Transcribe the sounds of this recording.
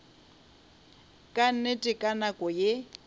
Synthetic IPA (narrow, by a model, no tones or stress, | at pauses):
kʼannetʼɪkʼanakʼɔje